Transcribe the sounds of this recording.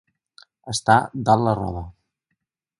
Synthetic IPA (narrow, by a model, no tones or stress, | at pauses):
əst̪ad̪allərɔ̰βə